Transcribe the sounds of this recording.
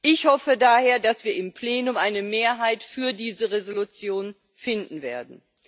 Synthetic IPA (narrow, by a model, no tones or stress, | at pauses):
ʔɪçhɔfədaːheːɐdasv̥iːɐɪmpl̥eːnʊmʔaɪnəmeːɐɦaɪtfyːɐdiːzəʁezolut͡sjoːn | fɪndn̩veːɐdn̩